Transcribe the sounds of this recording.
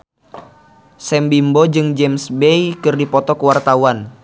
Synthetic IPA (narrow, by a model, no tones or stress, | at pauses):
sɛmbimbod͡ʒɨŋd͡ʒɛmsbejkɨrdipɔt̪ɔkəwart̪auwan